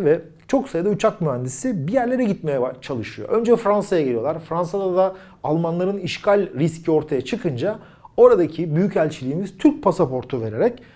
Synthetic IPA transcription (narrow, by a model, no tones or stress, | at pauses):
vɛ | t͡ʃʰo̞ksajɯd̪aut͡ʃʰak̚myɦænd̪isibijæɾlʲe̞ɾɛɟit̪̚mejɛbat͡ʃʰalˠɯʃɯjo̰ʔø̞nd͡ʒɛfɾansajaɟelʲijo̞lˠaɾfɾansad̪ad̪a | alˠmanlˠaɾɯniʃcʰalʲɾiscʰio̞ɾt̪ʰajat͡ʃʰɯkʰɯnd͡ʒa | o̞ɾad̪acʰibyjycælʲt͡ʃʰilʲiːmiz̥t̪ʰyɾc̚pʰasapo̞ɾt̪ʰuve̞ɾe̞ɾɛc